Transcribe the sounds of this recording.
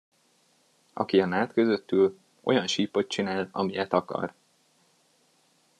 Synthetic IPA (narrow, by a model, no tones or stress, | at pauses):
ʔɒ̰kiɒnaːt̪kø̞zø̞t̪ːyl | ʔo̞jɒnʃiːpo̞t̪̚t͡ʃinaːlɒ̰mijɛt̪ɒkɒ̰r